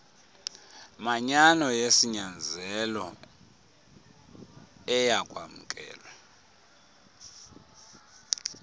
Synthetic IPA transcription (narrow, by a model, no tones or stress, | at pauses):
maɲanɔjesiɲand͡zʱɛlɔ̰ | ɛjaɡ̥ʱʼwa̰mukʼɛ̰ːlwa